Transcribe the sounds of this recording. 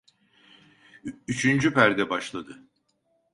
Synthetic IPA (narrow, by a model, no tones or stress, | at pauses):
yt͡ʃʰynd͡ʒypæɾd̪ɛbaʃlˠad̪ɯ